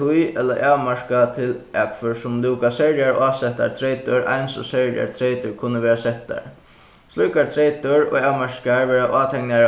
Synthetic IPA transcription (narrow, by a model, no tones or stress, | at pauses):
ujɛt̪la̰ʔawmaʂkat̪ʰɪlʔakʰfʏɹsʊmlɪwkasɛɹjaɹʔaːsɛht̪a̰ɾt̪ʰɾeːt̪ʊɹʔa̰jnsɔ̰sɛɹja̰ɹt̪ʰɾejt̪ʊɹkʰʊnːəʋeːɹasɛht̪a̰ɹ | slujkaɾt̪ʰɾejt̪ʊɹɔ̰ːɣawmaʂkaɹʋɛːɾaʔaːt̪ʰɛŋniaɾ